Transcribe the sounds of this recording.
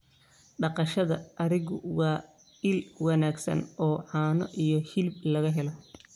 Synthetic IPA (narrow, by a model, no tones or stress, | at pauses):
ɖɑqɑʃɐðɐʔɐɾɪɣʊ̰wɑː | ɪlwɑnaːɡsɐ̰nʔɔːʕɑːnɔʔijɔhɪlblɐɣɐɦɛlɔ